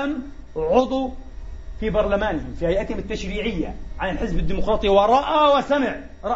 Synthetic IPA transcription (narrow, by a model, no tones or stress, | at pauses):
am | ʕʊd̪ˤu | fibɑɾˤlamaːnɪhɪmfihajʔat̪hɪmɪt̪ːaʃɾiːʕɪjːa̰ʕanɪlħɪzbɪd̪ːiːmʊqɾˤɑːt̪ˤiwɑɾˤɑʔawɪsamɪʕ | ɾˤɑ